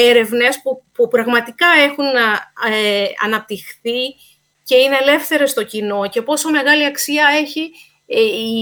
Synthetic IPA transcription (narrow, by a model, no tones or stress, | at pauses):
eɾe̞vne̞spupupɾɐɣmɐt̪ikɐe̞xun | ɐ̰nɐp̚t̪ixθi | ce̞ine̞ːle̞fθe̞ɾe̞st̪o̞cino̞ce̞po̞so̞me̞ɣɐliɐksiɐe̞çi